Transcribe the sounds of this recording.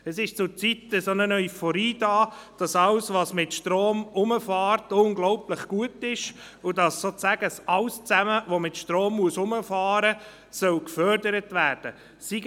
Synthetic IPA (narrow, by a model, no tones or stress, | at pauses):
ɛsɪʃt͡sʊɾt͡sitəsonənœœʏfɔɾiːdɑːd̥ɑsɑlsʋɑsmɪtʃtɾoːmʊməfɑːɾtʊnɡlɔʊpləχɡ̥uətɪʃ | ʊdɑssoːt͡sæɡəsɑlst͡sæməʋomɪtʃtɾoːmːuəsʊməfɑːɾə | sœlkfœɾdəɾətvæːɾd̥ə | siɡ